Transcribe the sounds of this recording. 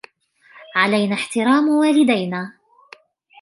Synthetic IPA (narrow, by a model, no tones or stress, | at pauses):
ʕalajnaːħt̪ɪɾɑːmwaːlɪd̪ajnaː